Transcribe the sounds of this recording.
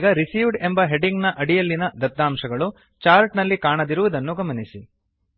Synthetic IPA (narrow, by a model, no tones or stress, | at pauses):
ɡɐɾisiːʋɖe̞mbɐɦe̞ɖiŋɡnɐʔɐɽijɐlːinɐd̪ɐd̪ːaːmʃɐɡɐɭu | t͡ʃaːɾʈnɐlːikaːɳɐd̪iɾuʋud̪ɐnːuɡɐmɐnisi